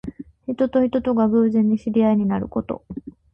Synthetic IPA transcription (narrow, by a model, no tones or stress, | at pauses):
çit̪o̞t̪o̞çit̪o̞t̪o̞ɡaɡɯːzẽ̞ɲ̟ːiɕiɾʲiaiɲ̟inaɾɯ̟ko̞t̪o̞̰